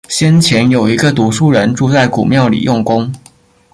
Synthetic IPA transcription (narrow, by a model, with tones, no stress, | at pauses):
ɕjɛ˥nt͡ɕʰjɛ˧˥njo˨˩ʊi˧˥ɡə˧t̪u˧˥ʂu˥˩ɻə˧˥nʈ͡ʂu˥˧t͡sa˥˩ɪkṵ˨˩mjɑ˥˩ʊlḭ˨˩jʔʊ˥˩ŋkʊ˥ŋ